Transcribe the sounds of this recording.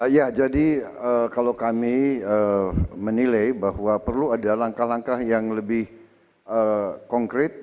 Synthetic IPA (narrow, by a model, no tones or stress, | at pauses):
jad͡ʒadiəkalokamiəmənilajbahwapərluadalaŋkahlaŋkahjaŋləbɪh | əkɔŋkɾɪt̪̚